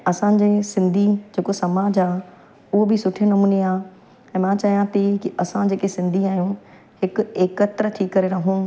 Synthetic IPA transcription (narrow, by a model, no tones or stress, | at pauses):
ɐsã̆d͡ʑeːsɪ̃nd̪ʱid͡ʑeːkosɐmaːd͡ʑaː | ʊɦobɪsʊʈʰinɐmuːniaː | ɛ̃ːmãt͡ɕɐɦjãt̪ikiʔɐsãd͡ʑeːkesɪ̃nd̪ʱiaːɦijũ | hɪkʊeːkət̪ɾət̪ʰiːkːɐɾeɾɐɦũː